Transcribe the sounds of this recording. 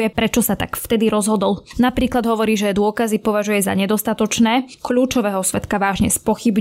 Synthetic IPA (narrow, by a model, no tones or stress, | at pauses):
jɛpɾɛt͡ʃɔsat̪a̰kft̪ɛd̪iɾɔzɦɔd̪ɔlnapɾiːklad̪ɦɔʋɔɾiːʒɛd̪ʊɔkazipɔʋaʒujɛza̰ɲɛd̪ɔst̪at̪ɔt͡ʃnɛːkʎuːt͡ʃɔʋɛːɦɔsʋɛt̪kaʋaːʒɲɛspɔxib